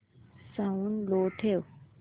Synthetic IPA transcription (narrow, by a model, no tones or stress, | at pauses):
saunloːʈʰew